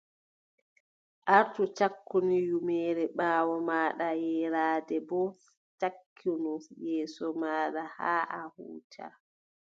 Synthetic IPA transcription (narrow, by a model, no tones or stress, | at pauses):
ʔaɾtut͡ʃakːunijumɛːɾɛɓaːwɔmaːɗajɛɾaːdɛbɔ | takʰːunujɛːsɔmaːɗahaːʔahṵːtʰa̰